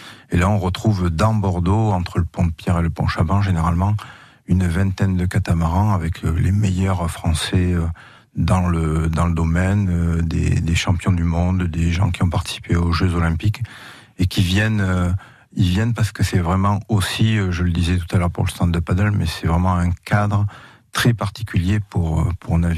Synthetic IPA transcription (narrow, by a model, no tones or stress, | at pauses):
elaɔ̃ʁət̪χuvd̪ɑ̃bɔʁd̪oɑ̃t̪χələpɔ̃əpjɛʁeləpɔ̰̃ʃabɑ̃ʒeneʁalmɑ̃ | ynvɛ̃t̪ɛnd̪əkat̪amaʁɑ̃avɛkʰəlemejœʁfχɑ̃sɛø | d̪ɑ̃ləd̪ɑ̃ləd̪ɔmɛnød̪ḛd̪eʃɑ̃pjɔ̃d̪ymɔ̃d̪d̪eʒɑ̰̃kʲiɔ̃paʁt̪i̥si̥peoʒøzɔlɛ̃pik | ekʲivjɛnø | ivjɛnpaʁsə̥kəsɛvʁɛmɑ̃osiøʒələd̪izɛt̪u̥t̪alœʁpṵʁləst̪ɑ̃d̪əpad̪œlmɛsɛvʁɛmɑ̃ɛ̃kad̪ʁə | t̪χɛpaʁt̪i̥kʲʰyljepuʁø̰pʰuʁnavi